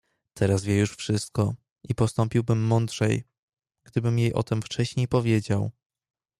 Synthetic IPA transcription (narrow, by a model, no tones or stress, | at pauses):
t̪ʰɛɾazvʲjɛjuʂfʂɘst̪̚kɔ | ʔipɔst̪ɔmpʲiwbɘmːɔnd̪ʐɛj | ɡd̪ɘbɘmjejʔɔ̰t̪ɛmft͡ʂɛɕɲejpɔvʲjed͡ʑaw